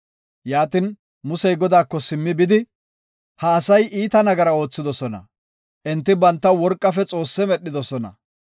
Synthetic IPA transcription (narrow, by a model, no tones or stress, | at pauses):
jaːt̪ɪn | mʊsɛjɡɔd̪aːkːɔsɪmːɪbɪd̪ɪ | hɐːsɐjʔiːt̪ɐnɐɡɐɾɐo̞ːt͡sːɪd̪ɔsɔnɐ̰ | ʔɛnt̪ːɪbɐnt̪ːɐwɔɾkʼːɐfɛt͡sʼo̞ːsːɛmɛɗːɪd̪ɔsɔnɐ̰